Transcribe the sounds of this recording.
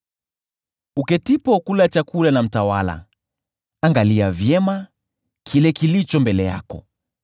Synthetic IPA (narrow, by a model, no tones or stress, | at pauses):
ukɛtipɔkulat͡ʃakulanam̩tawala̰ | aŋɡaliavjɛma | kʰilɛkilit͡ʃɔmbɛlɛja̰kɔ̰